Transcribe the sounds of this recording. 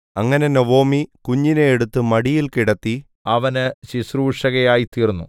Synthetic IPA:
ɐŋːɐne̞noʋo̞ːmikuɲːinejːɽut̪ːɨmɐɽijilkiɽɐt̪ːi | ɐʋɐnɨɕisruːʂɐɣɐjaːjit̪iːrnːṵ

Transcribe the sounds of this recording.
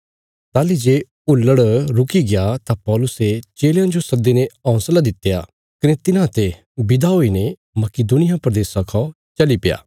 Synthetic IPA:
t̪aːlid͡ʒeː | ʊlːəɽɾʊkiɡɪjat̪apɔːlʊset͡ʃeːljãd͡ʒosɐd̪enẽɔ̃ːslad̪ɪt̪ːeja | kɐnet̪ɪnãt̪e | bɪd̪aɦoːinẽ | mɐkɪd̪ʊnɪjapɾɐd̪eːsãkʰɔ̃ | t͡ʃɐlipɪja̰ː

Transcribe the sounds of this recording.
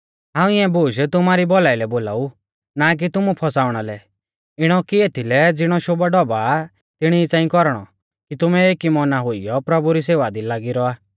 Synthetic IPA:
ɦãːũiɛ̃buːʃt̪ʊmaɾibɔlailɛboːla̰ːu | nak̬it̪ʊmupʰɔsaːʊɽ̃alɛ | ɪɽ̃ɔkieːt̪ʰilɛd͡zɪɽ̃ɔʃobaɖɔba | t̪ɪɽ̃iːt͡sãːĩkɔɾɽ̃ɔ̰ | kit̪ʊmɛeːkimɔnaɦʊijɔpɾɔbuɾis̬eːʋad̪ilaːɡiɾɔaː

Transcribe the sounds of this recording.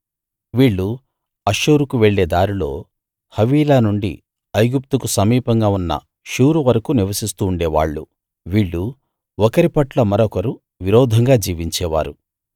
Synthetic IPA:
ʋiːɭːu | ɐʃuːɾukuʋeɭːe̞ːd̪aːɾulo̞̰ː | hɐʋiːlaːnuɳɖḭ | ɐjɡup̚t̪ukusɐmiːpɐŋɡaːunːɐ̰ | ʃuːɾuʋɐɾɐkuniʋɐsist̪uːɳɖeːʋa̰ːɭːṵ | ʋiːɭːu | ɔkɐɾipɐʈlɐmɐɾɔkɐɾu | ʋiɾɔːd̪ʱɐŋɡaːd͡ʒiːʋiɲt͡ʃɛːʋa̰ːɾu

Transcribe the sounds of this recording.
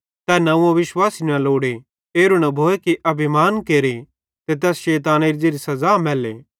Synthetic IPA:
t̪ɛnɐũõʋɪʃwaːsinɐ̃loːɽe | eːɾunɐbʱoːekiʔɐbʱimaːnkeːɾi | t̪et̪̬ɛːsʃeːt̪̬aːneɾid͡ʒeːɾisɐzaːmɛːlḛː

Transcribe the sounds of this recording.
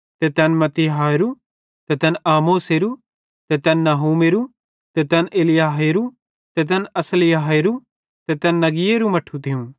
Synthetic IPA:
t̪et̪ɛnmɐt̪iɦaːeɾu | t̪ɛt̪ɛnaːmoːseɾu | t̪ɛt̪ɛnːaɦuːmeɾu | t̪ɛt̪ɛnʔeːlɪjaːɦeɾu | t̪ɛt̪̬ɛnɐslɪjaːɦeɾu | t̪ɛt̪ɛnːɐɡɪjeɾumɐʈʰut̪ʰɪũ

